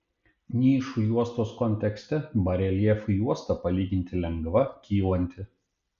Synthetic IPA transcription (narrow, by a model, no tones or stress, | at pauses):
nʲiːʃujuɔst̪oːskɔnʲt̪ʲɛksʲt̪ʲɛbɐɾʲɛlʲiɛfujuɔst̪ɐpɐlʲiːɡʲɪnʲt̪ʲɪlʲɛŋɡʋɐkʲiːlˠɐnʲt̪ʲɪ